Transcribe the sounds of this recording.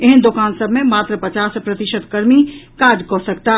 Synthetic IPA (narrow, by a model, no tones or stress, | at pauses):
eɦənd̪okansəbʱmemaːt̪ɾəpət͡ʃaspɾət̪iʃəd̪kəɾmikad͡ʒkɔsəkt̪a